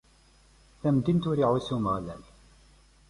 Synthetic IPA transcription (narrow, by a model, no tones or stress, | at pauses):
θæmd̪int̪ʊɾiʕusumʁlæ̰l